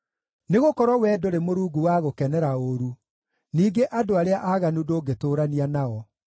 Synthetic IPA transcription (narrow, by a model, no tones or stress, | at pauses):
neɣokɔɾwɔwɛːdoɾemoɾuːɡuwaɣokɛnɛɾaoɾu | niːɡeʔadoaɾeaʔaːɣanudoːɡetoːɾanianaɔ